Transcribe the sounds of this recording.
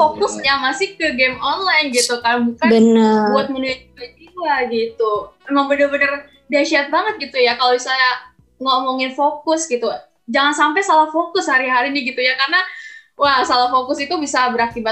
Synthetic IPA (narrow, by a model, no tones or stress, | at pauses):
fokʊsɲamasɪkəɡɛmonlajnɡit̪ukarabukanbənnəbuat̪̚mənuɪt̪̚d͡ʒiad͡ʒiwaɡit̪uemaŋbənəbənər | diaʃiat̪̚baŋət̪̚ɡit̪ujakalosaja | ŋomoŋɪnfokʊsɡit̪u | d͡ʒaŋansampajsalahfokʊshaɾiɦaɾinɪɡit̪ujakarnawahsalahfokʊsit̪ubisabəɾakiba